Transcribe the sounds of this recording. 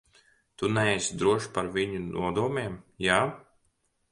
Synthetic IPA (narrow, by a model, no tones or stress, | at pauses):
t̪unɛɛsd̪ɾuɔʃpaɾvʲiɲunʔṵɔd̪uɔmʲɛːmjaː